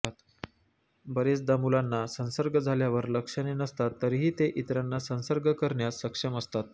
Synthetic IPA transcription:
t̪ | bəɾet͡sd̪amulanːasə̃nsəɾɡəd͡zʱaljaʋəɾləkʂənenəst̪at̪ːəɾiɦiːt̪eʔit̪ɾanːasə̃nsəɾɡʱəkəɾɳjassəkʂəməst̪at̪̚

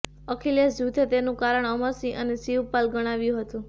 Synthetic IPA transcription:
əkʰeljasjut̪ʰet̪enũkaɾəɳəməɾsiʔənesiʋpalɡəɽ̃aʋjũɦət̪ũ

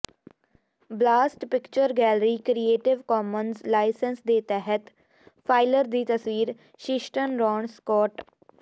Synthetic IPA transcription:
blaːsʈpɪkt͡ʃəɾɡɛːlɾiːkɾieːʈɪʋkɔːmənzlaːɪsənsd̪eːt̪ɛɦət̪ | pʰaːɪləɾd̪iːt̪əswiːɾ | ʃɪʃʈənɾɔːɳskɔːʈ

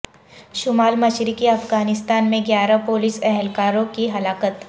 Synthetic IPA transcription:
ʃʊmaːlmɐʃɾikiɐfɡaːnɪst̪aːnmẽɡjaːɾapoːlisɛɦɛlkaːɾõkiɦɐlaːkət̪

